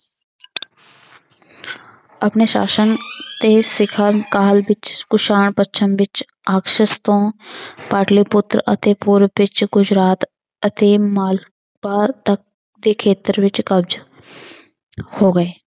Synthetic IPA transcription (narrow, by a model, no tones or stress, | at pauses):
əpneːʃa̰ːsənt̪eːsɪkʰəɾnkaːlʋɪt͡ʃkʊʃaːɳpətːt͡ʃʰəmʋɪt͡ʃ | aːkʃəst̪õːpaːʈliːpʊt̪ɾə̰t̪eːpʊɾʋɪt͡ʃɡʊd͡ʒɾaːt̪ | ət̪eːmaːl | paːt̪ək̚ | d̪eːkʰeːt̪əɾʋɪt͡ʃkəbd͡ʒ | hoːɡəeː